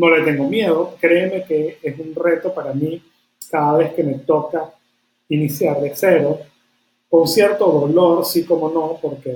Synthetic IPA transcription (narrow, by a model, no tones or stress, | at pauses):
no̞le̞t̪e̞ŋɡo̞mje̞ðo̞kɾe̞ːme̞ke̞esunre̞t̪o̞paɾamĩ | kaðaβ̞e̞ske̞me̞t̪o̞ka | inisjaɾlese̞ɾo̞ | ko̞nsje̞ɾt̪o̞ðo̞lo̞ɾsiko̞mo̞no̞po̞ɾke̞